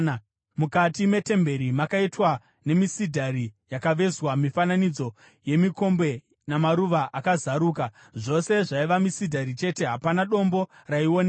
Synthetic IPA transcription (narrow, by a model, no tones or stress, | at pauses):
mukatime̞te̞mbe̞ɾimakaitwa | ne̞misidʱaɾijakaʋe̞zwamifananid͡zo̞ | je̞miko̞mbe̞ | namaɾuʋaʔakazaɾuːka | ʐo̞se̞ʐaiʋamisidʱaɾit͡ʃe̞te̞ɦapanaɗo̞mbo̞raione